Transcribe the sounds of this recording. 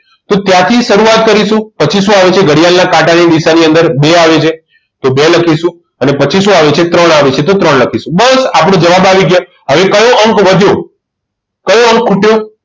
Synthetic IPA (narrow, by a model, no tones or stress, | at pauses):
t̪ot̪jãt̪ʰiʃəɾuat̪̚kəɾiʃũpət͡ʃʰisũaʋet͡ʃʰeɡəɽijalnakãʈanid̪isaniə̃nd̪əɾbeaʋet͡ʃʰe | t̪obeləkʰiʃũ | ənepət͡ʃisũaʋet͡ʃʰet̪ɾəɳaʋet͡ʃʰet̪ot̪ɾəɳləkʰisũbəsapəɽ̃õd͡ʒəʋabaʋiɡjo | ɦəʋekəjõʔəŋkʋəd̪ʱjõ | kəjõəŋkʰːuʈjo